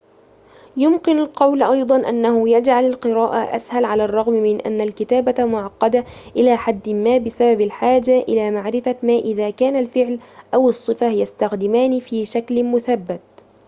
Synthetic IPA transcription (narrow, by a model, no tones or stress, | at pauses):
jʊmkɪnalqɑwlʔɑjd̪ˤɑnʔanːahʊjad͡ʒʕalalqɨɾaːʔaʔa̰shalʕalaːrˤːɑɣmmɪnʔa̰nːalkɪt̪aːbamʊʕɑqːɑd̪aʔɪlaːħad̪ːmaːbɪsababalħaːd͡ʒaʔɪlaːmaʕɾɪfamaːʔɪðaːkaːnalfɪʕlʔawɨsˤːɨfajast̪axd̪ɪmaːnifiːʃaklmʊθabːat̪̚